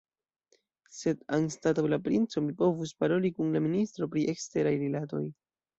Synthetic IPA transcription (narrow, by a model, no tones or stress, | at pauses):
se̞danstatowlapɾint͡so̞mipo̞vuspaɾo̞likunlaministɾo̞pɾiʔe̞kste̞ɾajɾilato̞̰j